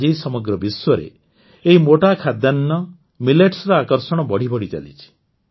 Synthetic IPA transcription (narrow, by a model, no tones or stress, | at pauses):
d͡ʒejsɔmɔɡɾɔbiswɔɾḛ | eɦimoʈakʰad̪janːɔ | mileʈsɾɔakɔɾsɔɽ̃ɔbɔɽ̤ibɔɽ̤it͡ʃa̰lḭt͡ʃʰi̥